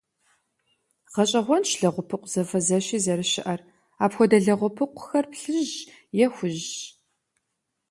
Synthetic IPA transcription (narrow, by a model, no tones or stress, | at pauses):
ʁɐɕʼɐʁʷɔnʃɮɐʁʷʊpʰɨqʷz̥ɐfɐzɐɕiːzɐɾɨʃɪʔɐr | aːpxʷɔdɐɮɐʁʷʊpʰɨqʷʊ̥xɐrpɬɨʒ | jɛxʷʊʑ